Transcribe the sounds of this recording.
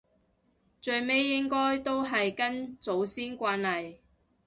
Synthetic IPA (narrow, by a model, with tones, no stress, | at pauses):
t͡ʃɵ˨˧ɥme˨˥jːɪ˥ŋkɔː˥jt̪o˥wɦɐ˨jkɐ˥nt͡so˨˥wsiː˥nkʷaː˧nlɐ˨j